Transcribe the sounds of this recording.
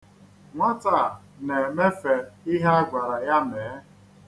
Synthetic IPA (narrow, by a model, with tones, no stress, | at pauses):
ŋʷa˦ta˦˨ | ne˨me˦fe˨i˦ɦe˦a˦ɡʷa˨ɾa˨ja˦me˨˦